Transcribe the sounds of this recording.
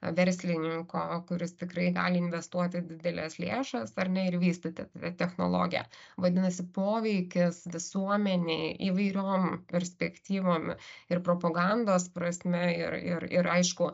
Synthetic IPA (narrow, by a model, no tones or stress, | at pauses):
ʋʲɛɾʲsʲlʲɪnʲɪŋkoːkʊɾʲɪst̪ʲɪkɾɐɪɡɑ̰ːlʲɪɪnʲʋʲɛst̪uɔt̪ʲɪd̪ʲɪd̪ʲɛlʲɛslʲeːʃɐsɐɾnʲɛɪɾʋʲiːst̪ot̪ʲɛt̪ʲɛt̪ʲɛxno̰ːlˠo̰ːɡʲɪjɛ̰ʋɐd̪ʲɪnɐsʲɪpoːʋʲɛɪkʲɪsʋʲɪsuɔmʲɛnʲeɪʔiʋɐɪɾʲoːmpʲɛɾʲsʲpʲɛkt̪ʲiːʋoːmɪrpɾoːpɐɡɑnd̪oːspɾɐsʲmʲɛɪ̰ɾɪ̰ɾɪ̰ɾɐɪʃkʊ